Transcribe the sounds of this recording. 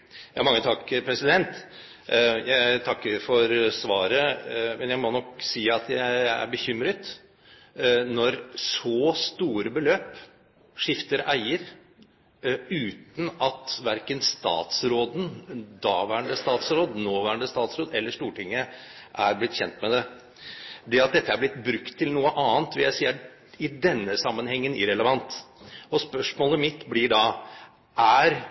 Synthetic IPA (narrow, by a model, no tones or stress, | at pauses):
jɑːmɑŋːət̪ʰɑkːpʰɾɛsɪd̪ɛnt̪ | jæɪt̪ʰɑkːəɾfɔɾsʋɑːɾəmɛnjæɪmɔnɔksiːɑt̪ʰjæɪæ̰ɾbəçʏmɾət̪ | nɔɾsɔst̪uːɾəbəløːp | ʂɪft̪əɾæɪəɾ | ʉːt̪n̩ɑt̪ʋæɾkənst̪ɑ̰ːt̪sɾoːd̪nd̪ɑːʋæːɾəɳd̪əst̪ɑːt̪sɾoːd̪noːʋæːɾəɳɖ̪əst̪ɑːt̪sɾoːd̪ɛlːəʂʈuːʈɪŋːə | ʔæɾblɪt̪ːçɛnt̪mɛd̪ɛ | d̪ɛɑt̪̚d̪ɛt̪ːəæɾblɪt̪bɾʉkt̪ʰːɪlnuːəʔɑːnt̪ʋɪljæɪsiːə | ɪd̪ɛnːəsɑmːənhɛŋːənɪ̰ɾɛləʋɑnt̪ɔspœʂmoːləmɪt̪ːblɪɖɑ | ʔæɾ